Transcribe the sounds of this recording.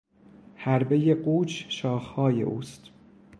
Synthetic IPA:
hæɾbe̞jeɢuːt͡ʃʃɒːxhɒːje̞̰ʔuːst̪

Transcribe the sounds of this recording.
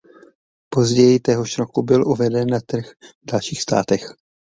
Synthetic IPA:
po̞zɟɛjɪt̪ɛɦoʃɾokubɪlʔuvɛdɛnːat̪r̩xvdalʃiːxst̪a̰ːt̪ɛx

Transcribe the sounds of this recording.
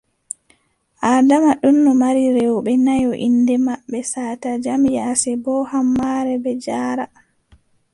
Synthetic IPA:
ʔaːdamaɗunːɔmaɾiɾɛwɓɛnajɔʔindɛmaɓːɛsaːtad͡ʒamjasɛbɔhamːaɾɛbɛd͡ʒaːɾa

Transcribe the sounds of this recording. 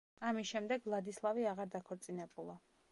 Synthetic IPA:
amisʃɛmd̪ɛɡvlˠad̪islˠaviaʁaɾd̪akʰɔɾt̪sʼinɛbulˠa

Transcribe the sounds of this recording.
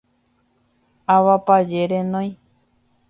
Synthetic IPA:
aʋapad͡ʒeɾẽnõj̃

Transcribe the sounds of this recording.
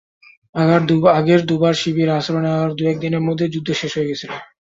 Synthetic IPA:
aɡaɾd̪uaɡeɾd̪ubaɾʃibiɾaʃɾoneaaɾd̪uɛk̚d̪ineɾmɔd̪ʱːed͡ʑud̪ʱːoʃeʃɦoeɡet͡ɕʰila

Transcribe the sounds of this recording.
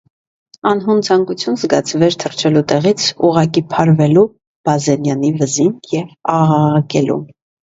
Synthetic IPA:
ɑnɦunt͡sʰɑŋkut͡sʰjunzɡɑt͡sʰvɛɾt̪ʰərt͡ʃʰɛlut̪ɛʁit͡sʰuʁɑk̬ipʰɑɾvɛlu | b̥ɑzɛnjɑnivəzinjɛvɑʁɑʁɑkɛlṵm

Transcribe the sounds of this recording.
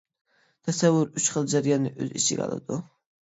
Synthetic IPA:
t̪ʰɛsɛwːʊɾyt͡ʃχəlˠd͡ʒæɾjɑnɨʔø̰zit͡ʃʰɪɡʲɑ̰lˠɨ̰d̪u

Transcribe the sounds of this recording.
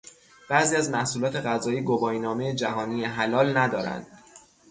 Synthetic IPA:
b̥æziːæzmæhsuːlɒːt̪ʰe̞ɣæzɒːjiːɡobɒːjnɒːmejed͡ʒæɦɒːniːeɦælɒːlnæd̪ɒːɾæ̰nd̪̥

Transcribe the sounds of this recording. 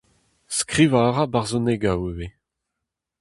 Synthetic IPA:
skʁivaːʁabaʁzoneɡawewe

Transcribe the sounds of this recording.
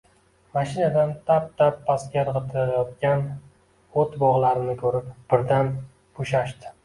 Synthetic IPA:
maʃɪnad̪ant̪ʰap̚t̪ʰapːaskʲaɾʁɨt̪ʰɪɾajɒt̪̚kʲan | ot̪bɒʁlˠaɾɪnɪkʲʰɵɾɪpb̥ɪɾd̪an | boʃaʃt̪ɪ̥

